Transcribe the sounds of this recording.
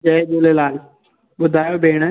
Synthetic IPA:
d͡ʒɐːed͡ʒoːlelaːl | ɓʊd̪ʱaːjobʱeːɽ̃ə

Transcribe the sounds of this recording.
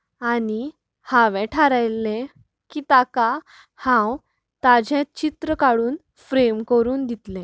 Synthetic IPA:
ani | hãʋɛ̃ʈʰaɾajlːẽ | kiːt̪aka | hãw | t̪ad͡ʑʱɛ̃t͡ɕit̪ɾəkaɽuːn | fɾemkəɾuːnd̪it̪lɛ̃

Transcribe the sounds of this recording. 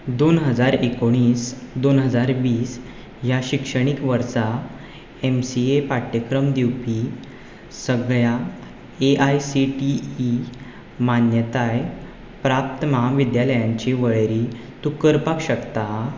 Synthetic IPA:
d̪onɦəd͡zaɾekoɽ̃iːsd̪onɦəd͡zaɾʋiːs | jaɕikʂəɽ̃ikʋəɾsa | emsiepaʈːəkɾəmd̪iwpi | səɡɭja | eʔajsiʈiː | manjət̪aj | pɾap̚t̪əmaʋid̪jaləjãɲt͡ɕiʋəɭɾi | t̪ukəɾpakɕəkt̪a

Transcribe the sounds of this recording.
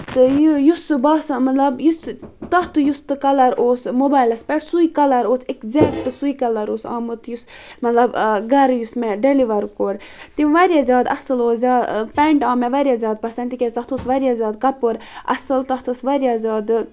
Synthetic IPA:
t̪ɨjjusbaːsamɐt̪lɐbjust̪ɐht̪ujust̪ɨkɐlɐɾʔoːsmobaːjlɐspeʈsujikɐlɐɾoːt͡sʰekzʲɛkʈɨsujkɐlɐɾoːsa̰ːmɨt̪jusmɐt̪lɐbɡɐɾjusmɛɖeliʋɐɾkoɾt̪iʋɐɾjazʲjaːd̪ɐ̰sɨloːzʲaːd̪pɛɳʈaːmɛʋɐɾjazʲaːd̪̚pɐsɐnt̪ikʲezt̪ɐht̪ʰoːsʋɐɾijazʲjaːd̪̚kɐpɨɾɐ̰sɨlt̪ɐht̪ʰɐsʋɐɾjazʲjaːd̪

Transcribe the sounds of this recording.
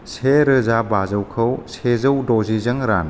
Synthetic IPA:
sʰeɾəzabazəwkʰɐwsʰezɐwdozizɐŋɾa̰n

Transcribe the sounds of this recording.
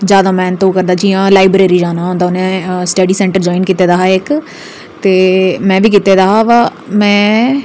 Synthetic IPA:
d͡ʒjaːd̪aːmɛ̃ːnt̪õːkəɾd̪aːd͡ʒiːjãːlaːɪbɾeːɾiːd͡ʒaːnaːɦõːnd̪aʊnẽːsʈeːɖiːsɛ̃ːɳʈəɾd͡ʒaːɪnkit̪eːd̪aːɦaːɪk | t̪eːmɛ̃ːʋiːkit̪eːd̪aːɦaːʋaːmɛ̃ː

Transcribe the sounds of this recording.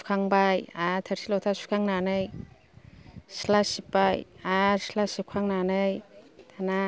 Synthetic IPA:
su̥kʰaŋbajatʰaɾsʰilɔtʰasu̥kʰaŋnanɯj | silasipajaɾsilasip̚kʰaŋnanɯjtʰana

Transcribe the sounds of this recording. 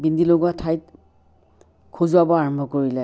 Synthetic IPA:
bindiloɡuatʰajt̚ | kʰozuabɔaɹɔmbʱɔkoɹilɛ

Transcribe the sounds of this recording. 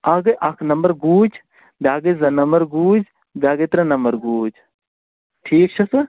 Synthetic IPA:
ɐɡɐʔɐkʰnɐmbəɾɡuːd͡ʒ | bʲjaːɡezɐnɐmbəɾɡuːd͡ʒ | bʲjaːɡet̪ɾɐ̃nɐmbəɾɡuːd͡ʒ | ʈʰiːk̚t͡ʃʰɐsɐ

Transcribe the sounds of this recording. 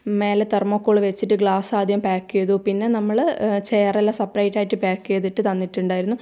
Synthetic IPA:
me̞ːlet̪ermokːoːɭɨʋe̞t͡ɕːiʈːɨɡɭaːsaːd̪ʱjɐmpaːkːujɐðupinːe̞nɐmːɐɭt͡ɕeːrelːaːsɐpːrɐjʈːaːjiʈːɨpaːkːujɐðiʈːɨt̪ɐnːiʈːuɳɖaːjiɾunːu

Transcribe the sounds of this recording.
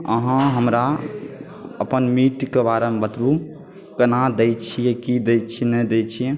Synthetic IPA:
ə̰ɦãɦəmɾa | əpənmiʈkebaɾembət̪ɾu | kənad̪ɛjt͡ʃʰijɛkid̪ɛjt͡ʃʰinɛd̪ɛt͡ʃʰijɛ

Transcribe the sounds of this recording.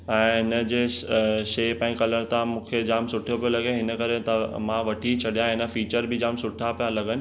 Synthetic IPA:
ɛ̃ːɪnə̆d͡ʑeːʃeːpɛ̃ːɪ̃kɐləɾt̪ãmũːkʰed͡ʑaːmsʊʈʰijopijolɐɡẽɦɪnə̆kɐɾet̪ɐmãʋɐʈʰit͡ɕʰɐɗijãɪnə̆fiːt͡ɕəɾbɪd͡ʑaːmsʊʈʰapijalɐɡənɪ̆

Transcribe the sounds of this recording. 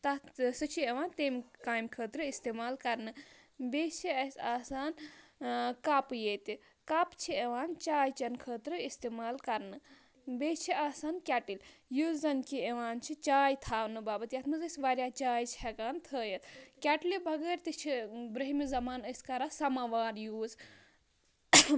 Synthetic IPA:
t̪ɐsɨt͡ʃʰieʋaːnt̪eːmkaːjmkʰəːt̪ɾɨist̪eːmaːlkɐɾnɨ | beːt͡ʃʰiɐsʲaːsaːn | kapjet̪i | kapt͡ʃʰieʋaːnt͡ʃaːjt͡ʃɐnkʰəːt̪ɾɨist̪eːmaːlkɐɾnɨ | beːt͡ʃʰiaːsaːnkʲɛːʈiljuːzɐnkieʋaːnt͡ʃʰit͡ʃaːjt̪ʰaːwnɨbaːbɐt̪ijɐt̪ʰmɨzəsʲʋaːɾjaːt͡ʃaːjt͡ʃʰɦɛkaːnt̪ʰəːjɐt̪ʰkʲɛʈlibʱɐɡəːɾʲt̪it͡ʃʰibɾɐɦimizɐmaːnəsʲkɐɾaːsɐmaːʋaːɾjuːz

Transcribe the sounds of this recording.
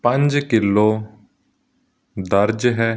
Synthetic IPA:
pə̃ɲd͡ʒkɪlːoː | d̪əɾd͡ʒɦɛː

